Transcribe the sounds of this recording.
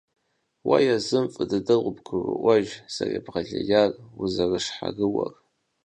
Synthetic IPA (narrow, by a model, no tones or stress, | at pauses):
wajazɨmfʼɨdɨdɨʁʷʊbɡʰɨrɨ̰ʔʷaʒsarabʁaɮajaruzarɨʂħa̰rɨwar